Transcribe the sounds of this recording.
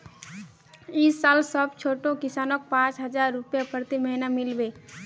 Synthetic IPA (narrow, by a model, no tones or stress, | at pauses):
isalsəbt͡ʃʰoʈõkisanɔk̚pãt͡ʃɦəd͡ʒaɾːupjapʰəɾt̪iməɦinamilbe